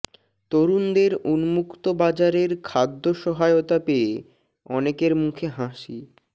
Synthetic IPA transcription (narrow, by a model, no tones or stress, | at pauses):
t̪oɾund̪eɾunmukt̪obad͡ʑaɾeɾkʰad̪ːoʃɔɦaeot̪apee | ɔnekeɾmukʰeɦãʃi